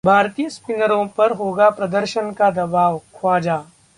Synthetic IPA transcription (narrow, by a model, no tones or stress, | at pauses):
bʱaːɾt̪ijəspɪnəɾõpɐɾɦoːɡapɾɐd̪əɾʃənkad̪ɐbaːʋkʰwaːd͡ʒaː